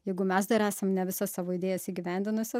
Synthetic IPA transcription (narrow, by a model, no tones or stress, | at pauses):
jɛɪɡʊmʲɛsd̪ɐɾæːsɐmnʲɛʋʲɪsɐssɑːʋoːɪd̪ʲeːjɛsiːɡʲɪʋʲæˑnʲd̪ʲɪnʊsʲɛ